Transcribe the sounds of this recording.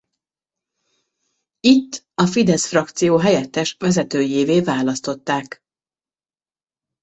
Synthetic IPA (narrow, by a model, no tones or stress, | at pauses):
it̪ː | ɒfid̪ɛsfrɒk̚t̪sijoːɦɛjɛt̪ːɛʃvɛzɛt̪øːjeːveːvaːlɒst̪o̞t̪ːaːk